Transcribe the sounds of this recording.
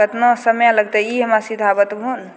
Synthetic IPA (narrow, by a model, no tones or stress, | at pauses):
ət̪nəsəmjãləɡ̚t̪əiɦəmasid̪ʱabət̪bʱun